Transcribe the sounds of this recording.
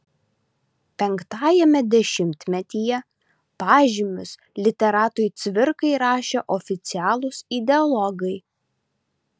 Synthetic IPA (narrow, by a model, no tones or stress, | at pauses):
pʲɛŋkt̪ɑːjɛmʲɛd̪ʲɛʃʲɪmʲt̪ʲmʲɛt̪ʲiːjɛ | pɑːʒʲɪmʲʊs | lʲɪt̪ʲɛɾɑːt̪ʊjt̪sʲʋʲɪɾkɐɪɾɑːʃʲeʔɔfʲɪt̪sʲɪæːlˠʊsɪd̪ʲɛɔlˠɔɡɐɪ